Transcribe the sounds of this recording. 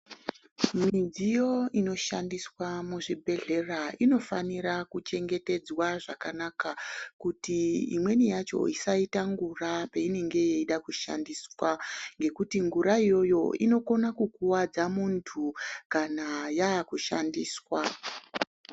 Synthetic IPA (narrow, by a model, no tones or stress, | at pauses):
mid͡zijo̞ino̞ʃandiswamuʐibʱe̞ɮe̞raʔino̞faniɾakut͡ʃe̞ŋɡe̞te̞d͡zwaʐakanakakutiḭmwe̞nijat͡ʃo̞̰isaitaŋɡurapeine̞ŋɡe̞je̞iɗakuʃa̰ndiːswaŋɡe̞kutiŋɡuɾaijo̞jo̞̰ḭno̞ko̞nakukuwad͡zamuntʰukanajaːkuʃa̰ndiːswa